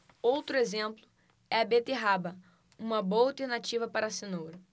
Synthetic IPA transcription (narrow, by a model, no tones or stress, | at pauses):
owt̪ɾʊezẽmplʊ | ɛɐbet̪eɦabɐ | ũmɐboɐowt̪eɾnat͡ʃivɐpaɾɐsenowɾɐ